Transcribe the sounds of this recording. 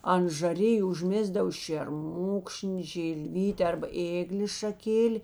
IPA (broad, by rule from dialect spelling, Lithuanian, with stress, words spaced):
ɐnt ʒɐˈrʲɪjʊ ʊʒʲˈmʲeːzdɐw ʃʲeːrˈmʊkʃʲnʲɪ ʒʲɪlʲˈʋʲiːtʲɪ ɐrbɐ ˈeːɡlʲeːs ʃɐˈkʲeːlʲɪ